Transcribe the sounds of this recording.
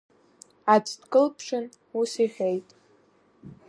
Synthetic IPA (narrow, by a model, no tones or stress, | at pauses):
at͡sʰʼdkʼɨlpʰʂɨn | usiʁʲejtʼ